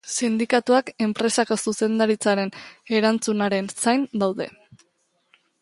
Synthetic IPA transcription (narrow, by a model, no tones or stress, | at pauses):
sind̪ikat̪uake̞mpɾe̞sako̞suse̞nd̪aɾit͡saɾe̞ne̞ɾant͡sunaɾe̞nsajnd̪awðe̞̰